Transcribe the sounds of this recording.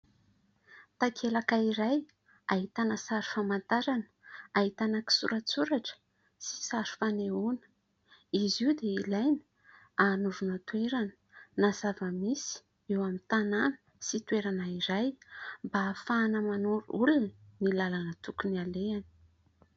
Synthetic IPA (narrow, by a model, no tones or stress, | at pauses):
t̪akʰelakaiɾaj | aɦit̪anəsaɾi̥famant̪aɾanə̥aɦit̪anaki̥sṵɾat͡suɾaʈ͡ʂə̥ | si̥saɾi̥faneunə̥ | iziud̪eilajnə̥ | anuɾunət̪ueɾanə̥nazavəmisi̥ | ewamint̪ananə̥ | sit̪ueɾanaiɾajmbafaːnəmanuɾuṵlunilalanət̪ukunialeani̥